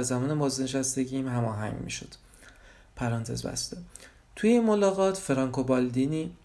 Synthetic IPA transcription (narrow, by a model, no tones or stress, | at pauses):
zæmɒːnemɒːzd̪neʃæst̪e̞ɟimhæmɒːɦæ̰ŋɡmḭːʃod̪̥ | pʰæɾɒnt̪ʰe̞̰zbæ̰st̪e | t̪ʰujeinmolɒːɣɒːt̪ʰfeɾɒːŋkʰobɒld̪iniː